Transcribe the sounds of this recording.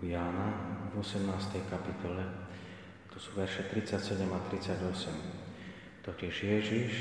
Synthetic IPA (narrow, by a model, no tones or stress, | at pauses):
jaːnavɔsɛmnaːst̪ɛjkapit̪ɔlɛ | t̪ɔsuːʋɛɾʃɛt̪ɾit͡sacsɛɟɛmat̪ɾit͡sːaɟɔsɛm | t̪ɔcɪɛʒjɛʒiʃ